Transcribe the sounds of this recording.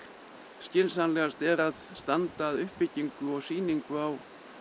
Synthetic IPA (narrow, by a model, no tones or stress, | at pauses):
scɪnsanlɛɣast̪ɛɾaðst̪ant̪aːðʏhpːɪcːiŋkʏɔɣsiːniŋkʏaw